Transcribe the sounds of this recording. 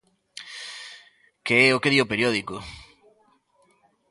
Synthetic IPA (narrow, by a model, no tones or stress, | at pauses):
keɛokeðiopeɾjoðiko